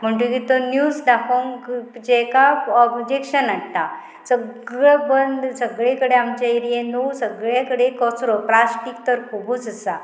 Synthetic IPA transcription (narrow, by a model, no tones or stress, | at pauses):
m̤əɳʈukit̪ɔnjusd̪akʰoŋkd͡ʑɛkaɔbd͡ʑekɕənaɳt̪a | səɡɭəbənd̪səɡɭekəɽeamt͡ɕaiɾijẽnowsəɡɭjakəɽekɔsɾɔplasʈikt̪əɾkʰubut͡səsa